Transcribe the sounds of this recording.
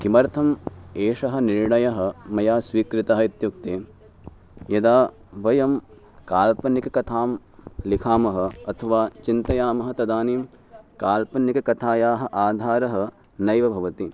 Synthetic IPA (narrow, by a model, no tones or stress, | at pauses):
kimɐɾt̪ʰɐmeːʂɐɦɐ̆niɾɳɐjɐɦɐ̆mɐjaːsʋiːkɾit̪ɐɦɐit̪juk̚t̪eː | jɐd̪aː | ʋɐjɐm | kaːlpɐnikɐkɐt̪ʰaːm | likʰaːmɐɦɐ̆ɐt̪ʰɐʋaːt͡ʃint̪ɐjaːmɐɦɐ̆t̪ɐd̪aːniːm | kaːlpɐnːikɐkɐt̪ʰaːjaːɦɐ̆ʔaːd̪ʱaːɾɐɦɐ̆ | nɐjʋɐbʱɐʋɐt̪i